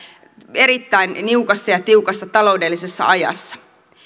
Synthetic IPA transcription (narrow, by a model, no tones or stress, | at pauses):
e̞ɾit̪ːæinniukɑsːɑjɑt̪iukɑsːɑt̪ɑlo̞udelːisesːɑ̰ʔɑjɑ̰sːɑ̥